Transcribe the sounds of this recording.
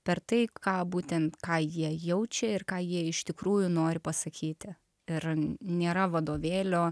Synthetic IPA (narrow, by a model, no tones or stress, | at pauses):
pʲɛrt̪ɐɪkɑːbuːt̪ʲɛnt̪kɑːjiɛjɛʊt͡ʃʲɛɪrkɑːjiɛɪʃt̪ʲɪkɾuːjʊnoːɾʲɪpɐsɐkʲʰiːt̪ʲɪ | ɪrnʲeːɾɐʋɐd̪oːʋʲeːlʲoː